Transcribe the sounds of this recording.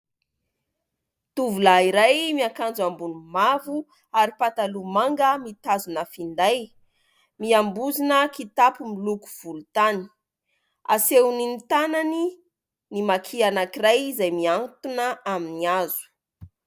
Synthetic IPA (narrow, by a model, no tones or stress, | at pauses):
t̪uvulaiɾajmiakand͡zambunumavu | aɾipat̪alumaŋɡəmit̪azunəfind̪aj | miambuzinəkit̪apumiluku̥v̥ulut̪ani̥ | a̰sewninit̪anani | nimakʰianakirajzajmiant̪unəaminiazu̥